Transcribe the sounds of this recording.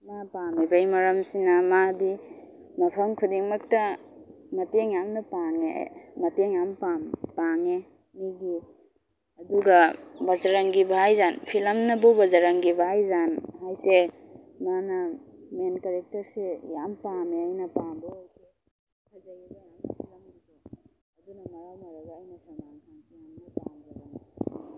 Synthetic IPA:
mapamibajmɐɾɐmsinɐmadi | mɐpʰɐmkʰudiŋmɐk̚tɐ | mɐteŋjamnɐpaŋḛmɐteŋjampampaŋe | miɡi | ɐduɡɐbɐzaɾɐŋɡibʱajzanpʰilɐmnɐbubɐzaɾɐŋɡibʱajzanɦajse | nanɐmenkaɾek̚tɐɾsejampameajnɐpambɔojkʰe | kʰazaɡibajampʰipʰilɐmabi | ɐdunɐmɐɾawmaɾaɡaːjnɐsamaŋkʰankijamnɐpaŋbabana

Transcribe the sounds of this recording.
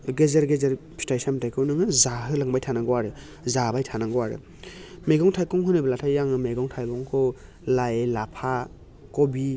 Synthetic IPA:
ɡezeɾɡezeɾpʰistajsamtʰajkʰɯwnɯŋɯzaɦɯlaŋbajtʰanaŋɡɔwaɾɯ | zabajtʰanaŋɡɔwaɾɯ̰ | meɡɔŋtʰajkɔŋɦɯnɯbɐlatʰajːaŋɯmeɡɔŋtʰajbɔŋkʰɔ | lajelapʰa | kɔbi

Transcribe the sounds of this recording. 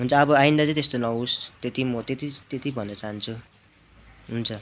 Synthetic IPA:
ɦunt͡sʰʌːbʌajnd̪at͡sãĩt̪est̪onʌɦust̪et̪imʌt̪et̪it̪et̪ibʱʌnːʌt͡saɦant͡sʰu | ɦunt͡sʰʌ

